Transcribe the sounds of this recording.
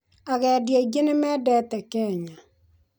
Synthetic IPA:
aɣɛːdjeiɡenemɛːdɛt̪ɛkɛːɲa

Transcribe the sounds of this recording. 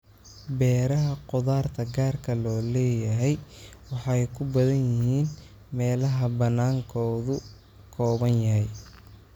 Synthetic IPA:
bɛːɾɐɦɐqʊðaːrt̪ʰɐɡaːrkʰɐlɔːlɛːjɐɦɛjwɑħɑjkʰʊbɐðɐnjɪɦiːn | mɛːlɐɦɐbɐnaːŋkʰɔːðʊ | kʰɔːβɐnjɐɦɛj

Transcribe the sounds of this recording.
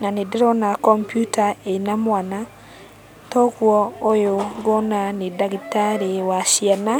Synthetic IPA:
nanedɛɾɔnakɔmpjutaenamwana | tɔɣwɔojoɡɔnanedaɣitaɾewaʃjiana

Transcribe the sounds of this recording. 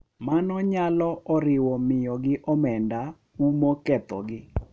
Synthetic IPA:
manɔɲalɔɔɾɪwɔmɪjɔɡɪʔɔmɛnda | umokɛt̪ɔ̰ɡɪ

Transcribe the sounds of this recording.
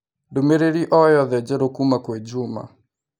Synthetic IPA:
domeɾeɾiʔɔjɔðɛd͡ʒɛɾokumakwɛd͡ʒuma̰

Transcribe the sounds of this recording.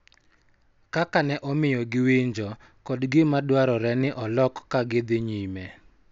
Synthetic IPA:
kakanɛʔɔmɪjɔɡɪwiɲd͡ʒɔ | kɔdɡɪmadwaɾɔɾɛnɪʔɔlɔkkːaɡɪd̪ɪɲimɛ

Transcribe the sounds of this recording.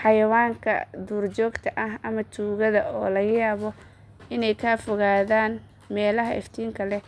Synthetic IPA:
ħɑjɐwaːŋkʰɐ̰d̪uːrt͡ʃɔːɡt̪ʰɐʔɐɦʔɐmɐt̪ʰuːɣɐðɐɔːlɐɣɐjaːβɔ | ɪnɛjkʰaːfɔɣaːðaːn | mɛːlɐɦɐʔɪ̰ft̪ʰiːŋkʰɐlɛ

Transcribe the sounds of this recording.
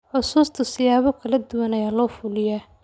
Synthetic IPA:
ħʊsuːst̪ʰʊsɪjaːβɔkʰɐlɐd̪ʊwɐnɐjaːlɔːfʊlɪjaː

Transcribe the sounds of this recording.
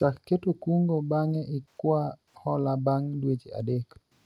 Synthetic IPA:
t͡ʃakːetokuŋɡobaŋɛʔɪkwa | hɔlabaŋdwet͡ʃea̰dɛk

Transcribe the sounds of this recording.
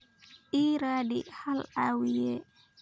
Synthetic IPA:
ʔiːɾaːdḭhalawijɛ

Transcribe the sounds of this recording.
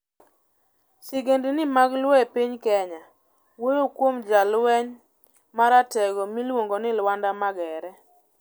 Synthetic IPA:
siɡendenɪmaɡlwɛpiɲkɛɲa | wojokwomd͡ʒalwɛɲ | maɾatɛɡɔmilwoŋɡonɪlwandamaɡɛɾɛ

